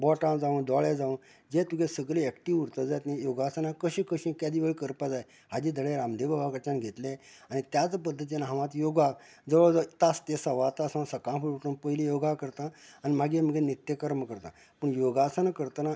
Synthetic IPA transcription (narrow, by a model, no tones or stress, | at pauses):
bɔʈãd͡zaũnd̪ɔɭed͡zaʋũn | d͡ʑet̪uɡesəɡleɛkʈiʋuɾt̪əd͡zajt̪nẽjoɡasanakəɕĩkəɕĩkad̪iʋeɭkəɾpad͡zaj | ɦad͡ʑid̪ʱəɭeɾamd̪ebabakət͡ɕanɡʱet̪le | anit̪jat͡sp̬əd̪ːət̪inaɦãʋãt̪joɡa | d͡zəʋəɭt̪ast̪esəʋat̪asãsəkãfʰuɽuʈunpəɦilijoɡakəɾt̪ãːnim̤aɡem̤əɡẽnit̪jəkəɾməkəɾt̪ã̰ | pəɳjoɡasənakəɾt̪ana